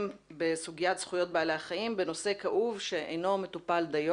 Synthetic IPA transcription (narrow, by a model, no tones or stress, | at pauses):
mbe̞suɡijatsχujo̞t̚bealeaχaimbe̞no̞se̞kaʔuvʃe̞ʔḛjno̞me̞t̪upald̪aj